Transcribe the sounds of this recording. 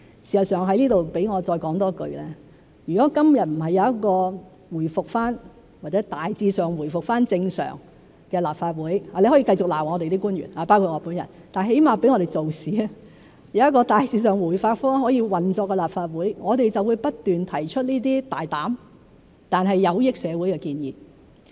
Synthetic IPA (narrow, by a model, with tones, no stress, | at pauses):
si˨sɐ˨t̚sœː˨˩ŋɦɐ˧˥jliː˥t̪o˨wpe˨˥jŋɔː˨˧t͡sɔː˧jkɔː˨˥ŋt̪ɔː˥kɵ̰˧ɥlɛː˥ | jyː˨˩kɔː˨˥kɐ˥mjɐ˨t̚m̩˨˩ɦɐ˨jːɐ˧wjɐ˥t̚kɔː˧ | wuː˨˩jfʊ˨k̚faː˥n | waː˨˩t͡sɛː˨˥t̪aː˨jt͡siː˧sœː˨ŋwuː˨˩jfʊ˨k̚faː˥nt͡sɪ˧ŋsœ̰ː˨˩ŋ | kɛː˧laː˨p̚faː˧t̚wuː˨˥jaː˨le˧jhɔ˨˥jiː˧kɐ˧jt͡sʊ˨k̚la̰ː˨˩wŋɔː˨˧te˨jt̪̬iː˥kuː˥njy̰ː˨˩naː˨˩paː˥wkʰu˧t̚ŋɔː˧˥puː˨˥njɐ˨˩n | t̪aː˨˩ɦe˨˥jmaː˨˧pe˨˥jŋɔː˨˧ɾe˨jt͡so˨wsiː˨˥ | jɐ˨˧wjɐ˥tkːɔː˧t̪aː˨˩jt͡siː˧s̬œː˨˩ŋwuː˨˩jfaː˧t̚fɔː˥ŋɦɔː˨˥jiː˧wɐ˨˩nt͡sɔː˧kːɛ˧laː˨˩p̚faː˧t̚wuː˨˥jŋɔː˨˧t̪e˨jt͡sɐ˨wu˨˧jpɐ˥t̚t̪yː˨nt̪ʰɐ˨˩jt͡ʃʰɵ˥t̚niː˥t̪̬iː˥t̪aː˨jt̪aː˨˥m | t̪aː˨nɦɐ˨jːɐ˨˧wjɪ˥k̚sɛː˨˧wu˨˥jkɛː˧kiː˧njḭː˨